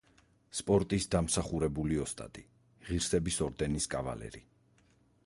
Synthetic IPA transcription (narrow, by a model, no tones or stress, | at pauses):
spʼɔɾt̪ʼisd̪amsaχuɾɛbuliɔst̪ʼa̰t̪ʼi | ʁiɾsɛbisɔɾd̪ɛniskʼava̰lɛ̰ɾi